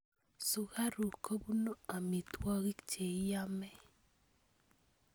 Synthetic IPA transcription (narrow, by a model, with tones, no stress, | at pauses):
sʊ˨ɣa˦ɾu˨kʰo˦bu˦no˦a˨mi˨t̪wɔ˦ɣi˦kt͡ʃe˨˦ja˦mɛ˦